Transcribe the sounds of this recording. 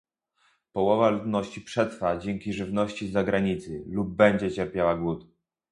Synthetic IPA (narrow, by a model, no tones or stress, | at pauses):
pɔwɔvalud̪nɔɕt͡ɕipʂɛt̪fad͡ʑɛŋkʲiʐɘvnɔɕt͡ɕizaɡɾaɲit̪sɘlub̚ːɛɲd͡ʑɛt͡ɕɛɾpʲjawaɡwut̪